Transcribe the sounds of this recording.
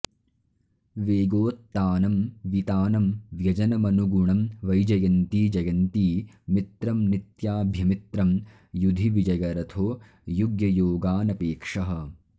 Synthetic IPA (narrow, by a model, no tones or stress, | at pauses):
ʋeːɡoːt̪ːaːnɐmʋit̪aːnɐmʋjɐd͡ʒɐnɐmɐnuɡuɳɐmʋɐjd͡ʒɐjɐnt̪iːd͡ʒɐjɐnt̪iː | mit̪ɾɐmnit̪jaːbʱjɐmit̪ɾɐm | jud̪ʱiʋid͡ʒɐjɐɾɐt̪ʰoː | juɡjɐjoːɡaːnɐpeːkʂɐɦɐ̆